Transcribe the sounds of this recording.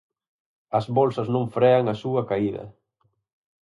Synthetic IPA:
ɐzβɔlsɐznõɱfɾeɐŋɐsuɐkaiðɐ̰

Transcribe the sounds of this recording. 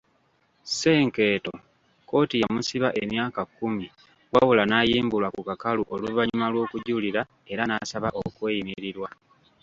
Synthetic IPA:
se̞ːŋke̞ːto̞ | ko̞ːtijamusiβaʔemjaːkakːumi | ɡwa̰βulanaːjiːmbulwakukakaluʔo̞luvaɲumalwo̞ːkuɟuliɾa | e̞ɾanaːsaβaʔo̞kwe̞ːjimiɾiɾwa

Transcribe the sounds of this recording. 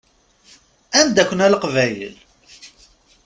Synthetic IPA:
ænd̪ækʷːənæləqvæjə̰l

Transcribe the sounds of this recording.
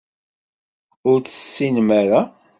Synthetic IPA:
ʊɾθə̥sːinmaɾa

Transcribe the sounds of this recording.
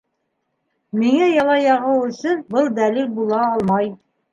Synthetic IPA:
miŋæjɑlˠɑjɑʁɤwɵ̆sɘnbɤlˠd̪ælilbulˠɑːlˠmɑj

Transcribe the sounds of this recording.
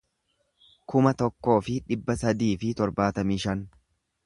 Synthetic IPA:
kʊmɐt̪ɔkːo̞ːfɪᶑɪbːɐsɐd̪iːfɪt̪ɔɾbaːt̪ɐmiːʃɐn

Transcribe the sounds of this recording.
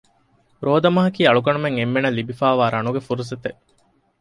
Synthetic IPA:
ɾoːd̪ɐmɐɦɐkiːɐɭukɐɳumeŋemːenɐlibifæːʋaːɾɐnuɡefuɾuset̪eʔ

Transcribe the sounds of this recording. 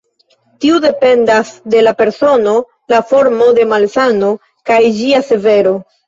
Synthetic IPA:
tiude̞pe̞ndasde̞lape̞ɾso̞no̞ | lafo̞ɾmo̞de̞malsano̞ | kajd͡ʒiase̞ve̞ɾo̞

